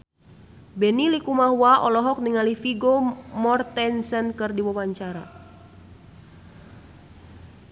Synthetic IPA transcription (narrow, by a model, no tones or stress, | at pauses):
bɛnilikumaɦuaʔɔlɔɦɔk̚niŋalifiɡomɔrt̪ɛnsənkɨrdiwawaɲt͡ʃaɾa